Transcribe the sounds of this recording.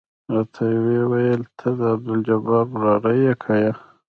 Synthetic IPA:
ɾɑt̪ʰajwewajəlt̪ʰəd̪əab̚d̪ɪld͡ʒabɑbɾɑɾajekʰaja

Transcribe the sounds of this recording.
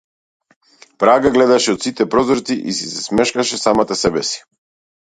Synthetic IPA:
pɾaɡaɡlɛd̪aʃɛɔt̪sit̪ɛpɾɔzɾt̪iʔisisɛsmɛʃkaʃɛsamat̪asɛbɛsi̥

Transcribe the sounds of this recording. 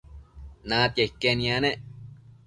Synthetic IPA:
nãt̪jeikːenĩaneʔ

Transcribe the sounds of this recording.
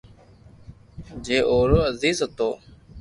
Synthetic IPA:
d͡ʒeːʔoːɾoːəziːzət̪oː

